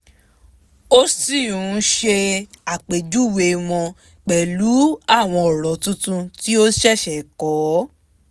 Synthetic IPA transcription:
o˦si˦˨ũ˨˦ʃe˧a˨k͡pe˨d͡ʒu˦˨we˧wɔ̃˧ | k͡pɛ˨lu˨˦a˦˨w̃ɔ̃˧ɔ˨ɾɔ˨tũ˦tũ˦ti˦o˦ʃɛ˦˨ʃɛ˨kɔ˨˦

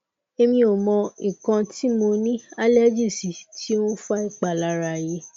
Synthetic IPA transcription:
e˧mĩ˧o˨mɔ̃˧i˨kã˧ti˦mo˧nĩ˦a˦lɛ˦d͡ʒi˦˨si˨tʰi˦ũ˦fa˧i˨k͡pa˨la˧˨ɾa˧˨je˦

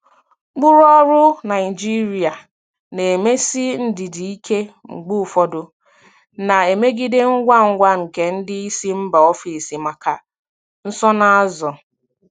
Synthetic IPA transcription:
ɡ͡bʊ˦ɾɔ˦ɾʊ˦na˨ɪ˨d͡ʒi˦ɾi˨a˨ | ne˨e˨me˦si˦n̩˦dɪ˨di˨i˦kʰe˦ŋ͡m̩˨ɡ͡bu˦˨fɔ˦dʊ˨ | na˨e˨me˦ɡi˦dɪ˦ŋ̩˦ɡʷa˦ŋ̩˦ɡʷa˦ŋ̩˨ke˨n̩˦dɪ˦i˦si˦m̩˦ba˨ɔ˦fi˨si˨ma˨ka˨ | n̩˦sɔ˦na˦a˦zɔ˨

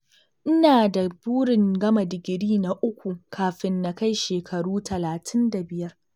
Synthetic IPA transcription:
ʔɪ˦naː˨da˨buː˦ɽɪ˨ŋɡɐ˦ma˨dɪ˨ɡʲɪ˨ɽiː˦na˨ʔʊ˦kʷu˨ŋkʰaː˨ɸɪ˦nːa˨ka˦jʃeː˨kʰɐ˨ɽuː˦tʰɐ˨laː˨tʰɪ˦nda˨bɪ˨jɐ˦r

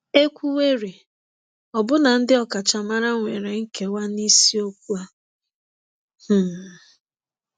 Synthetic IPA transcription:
e˦kʷu˦we˦ɾi˨ | ɔ˨bʊ˦na˨n̩˦dɪ˦ɔ˨ka˨t͡ʃa˨ma˦ɾa˦ŋʷe˨ɾe˨ŋ̩˦ke˨wa˦ni˦si˦o˦kʷu˦a˦ | h̩˦˨

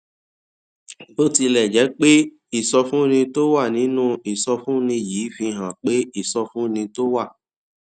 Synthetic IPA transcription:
bo˦ti˧lɛ˨d͡ʒɛ˨˦k͡pe˦ | i˦˨sɔ˧fũ˦nĩ˧to˦wa˦˨nĩ˨˦nũ˦i˨sɔ˧fũ˦nĩ˧ji˨˦fĩ˧ɦã˨k͡pe˦i˦˨sɔ˧fũ˦nĩ˧to˦wa˦˨

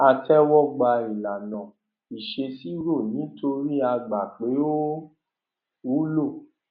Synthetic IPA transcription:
a˧tɛ˦wɔ˦ɡ͡ba˧i˨la˨nã˨ | i˨ʃe˧si˦ɾo˦˨nĩ˨˦to˧ɾi˦a˧ɡ͡ba˨k͡pe˨˦o˦ | wu˦lo˦˨

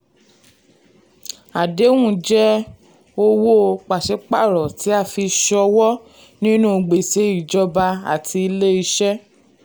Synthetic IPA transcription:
a˨de˨˦w̃ũ˦˨d͡ʒɛ˦ | o˧wo˦k͡pa˨ʃɛ˨˦k͡pa˦˨ɾɔ˨ti˨˦a˦˨fi˧ʃɔ˧wɔ˦ | nĩ˦nũ˦˧ɡ͡be˨se˨˦i˦˨d͡ʒɔ˧ba˧a̰˨tʰi˧i˧le˦i˧ʃɛ˦

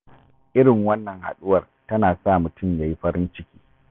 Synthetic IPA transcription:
ʔɪ˦ɾɪ˨ŋwɐ˦nːɐ˨ŋha̰˨ɗʊ˦wɐ˨r | tɐ˦naː˨sa˦˨mʊ˨tʊ˦˨mjaː˨ji˦ɸɐ˦ɽɪ˦nt͡ʃɪ˦kʲi̥ː˦

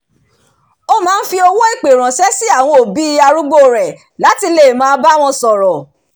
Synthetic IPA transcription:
o˦mãː˦n̩˦fi˧o˧wo˦i˦˨k͡pe˨ɾ̃ã˨sɛ˦si˦a˦˨w̃ɔ̃˧o˨bi˨˦a˧ɾu˦ɡ͡bo˦˨ɾɛ˨ | la˨˦ti˧le˨mãː˦ba˦w̃ɔ̃˧sɔ˨ɾɔ˨

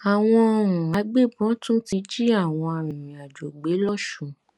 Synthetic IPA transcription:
a˨w̃ɔ̃˧ɔ˧ɾ̃ũ˨a˨˦ɡ͡be˦˨bɔ̃˨˦tũ˦ti˧d͡ʒi˦a˦˨w̃ɔ̃˧ɔ˧ɾ̃ĩ˨ɾĩ˨a˨d͡ʒo˨ɡ͡be˨˦lɔ˦ʃũ˨

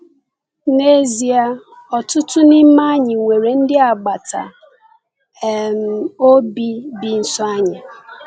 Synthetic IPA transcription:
ne˦zi˨a˦ | ɔ˨tʊ˦tʊ˦nɪ˦m̩˦ma˦ɲɪ˨ŋʷe˨ɾe˨n̩˦dɪ˦a˨ɡ͡ba˨ta̰˨ | m̩˨o˦bi˦bi˨n̩˨sɔ˦a˦ɲa˨

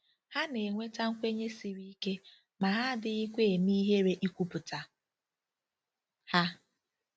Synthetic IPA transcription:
ha˦ne˨ŋʷe˦ta˦ŋ̩˦kʷe˦ɲe˦si˨ɾi˦i˦ke˦ | ma˨ɦa˦dɪ˦i˦kʷe˦e˨mi˦ɦe˦ɾe˦ʔi˦kʷu˦pʊ˨ta˨ | ha˦

